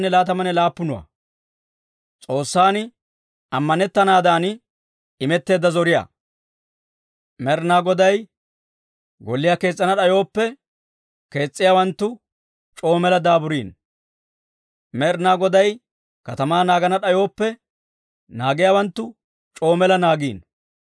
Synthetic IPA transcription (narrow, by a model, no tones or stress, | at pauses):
nːɛlaːt̪ɐmɐnːɛlaːpːʊnʊwɐ̰ | t͡sʼo̞ːsːaːnɪ | ɐmːɐnɛt̪ːɐnaːd̪aːn | ɪmɛt̪ːe̞ːd̪ːɐzɔɾɪja̰ː | mɛɾnaːɡɔd̪ɐj | ɡɔlːɪjaːke̞ːt͡sʼːɐnɐɗɐjo̞ːpːɛ | ke̞ːt͡sʼːɪjaːwɐnt̪ːʊ | t͡ʃʼo̞ːmɛlɐd̪aːbʊɾiːn | mɛɾnaːɡɔd̪ɐj | kɐt̪ɐmaːnaːɡɐnɐɗɐjo̞ːpːɛ | naːɡɪjaːwɐnt̪ːʊ | t͡ʃʼo̞ːmɛlɐnaːɡiːn